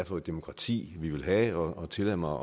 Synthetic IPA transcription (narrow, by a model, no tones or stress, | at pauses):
fɔ̽ːðˠd̥emo̝kʰʁɑ̈t͡sʰḭːʋiʋe̝lɦæɒɒt͡sʰe̝læm̰ɐ